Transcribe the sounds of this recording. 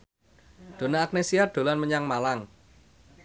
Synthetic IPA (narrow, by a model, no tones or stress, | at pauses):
d̪̥o̤naːk̚nesiaɖ̪̥o̤lanməɲaŋmalaŋ